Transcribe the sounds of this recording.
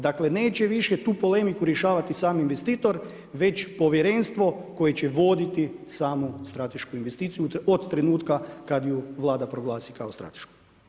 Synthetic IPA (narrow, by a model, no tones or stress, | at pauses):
d̪akle̞ne̞ːt͡ɕeʋiʃje̞t̪uːpo̞le̞mikuɾje̞ʃaːʋat̪isaːminʋe̞st̪iːt̪o̞ɾ | ʋe̞t͡ɕpo̞ʋjeɾe̞nst̪ʋo̞ko̞jet͡ɕe̞ʋo̞d̪it̪isaːmost̪ɾat̪e̞ʃkuinʋe̞st̪iːt̪sijuod̪t̪ːɾe̞nuːt̪kakad̪juʋlˠaːd̪apɾo̞ɡlˠaːsikaost̪ɾa̰t̪e̥ʃku̥